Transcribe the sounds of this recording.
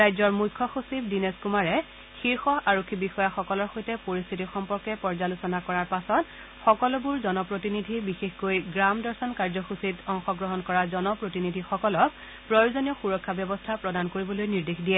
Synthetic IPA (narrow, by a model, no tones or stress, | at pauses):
ɹajzɔɹmujkʰːɔxusibdinɛskumaɹɛ | xiɹxɔʔaɹokʰːibixɔjaxɔkɔlɔɹxojtɛpoɹist̪ʰitixɔmpɔɹkɛpɔɹzalusɔnakɔɹaɹpasɔt | xɔkɔlɔbuɹzɔnɔpɹotinidʱibixexkojɡɹamdɔɹsɔnkaɹzɔxusitɔŋxɔɡɹɔɦɔnkɔɹazɔnɔpɹotinidʱixɔkɔlɔk̚ | pɹɔjozɔnijɔxuɹɔkʰːabjɔbɔstʰapɹɔdankoɹibɔlojniɹdexdijɛ